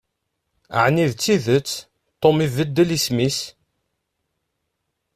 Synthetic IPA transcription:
ə̰ʕniðt͡sːiðət͡sː | t̪ˤːomivəd̪ːəlismis

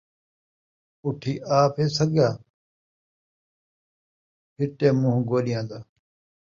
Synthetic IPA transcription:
ʊʈʰiːʔaːpʰeːsəɡaː | pʰɪʈeːmʊ̃ɦɡoːɗɪjãːd̪aː

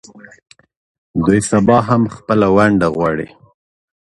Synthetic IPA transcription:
d̪ujsabɑɦamxpəlawaɳɖaɣwɑɽḭ

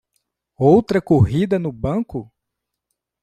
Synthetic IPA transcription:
owt̪ɾɐkoɦid̪ɐnʊbɐ̃kʊ

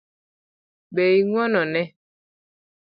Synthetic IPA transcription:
beiŋwɔnɔnɛ

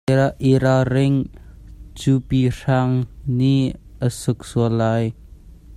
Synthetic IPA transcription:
aʔiɾaɾɪŋ | t͡supir̥aŋniʔəsʊk̚suəlaj

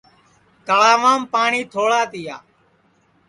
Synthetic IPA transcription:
t̪əɭaːʋaːmpaːɳiːt̪ʰoːɭaːt̪ɪjaː

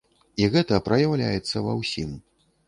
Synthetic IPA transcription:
iɣɛt̪ɐpɾɐjawlʲa̰jɛt̪sːɐvɐ̰wsʲim

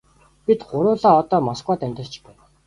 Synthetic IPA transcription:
pit̪ɢʊɾʊːɮaːɔt̪ɔːmɔskwaːt̪æmʲt̪ə̆rt͡ɕpæːw

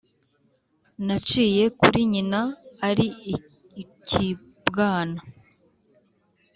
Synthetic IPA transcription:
nat͡ʃiːje̞kuɾiɲinaːɾi | cʰi | bɡaːna

